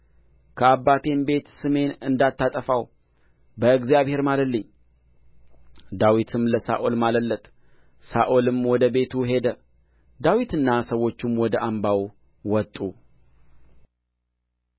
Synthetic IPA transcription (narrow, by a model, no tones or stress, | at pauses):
kʰəabːat̪ʰe̞mbe̞t̪sɨme̞nɨnd̪at̪ːat̪ʼəfaw | bəɨɡzijaβhe̞ɾmaləlːəɲː | d̪awit̪ʰɨmləsa̰ʔo̞lmaləlːət̪ʼ | sa̰ʔo̞lɨmwɔd̪əbe̞t̪ʰuɦe̞d̪ə | d̪awit̪ɨnːasəwːo̞t͡ʃːumwɔd̪əʔambaw | wɔt̪ʼu